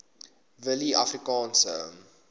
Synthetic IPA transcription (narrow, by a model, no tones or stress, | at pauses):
vəliʔafrikɑ̃ːnsə̰m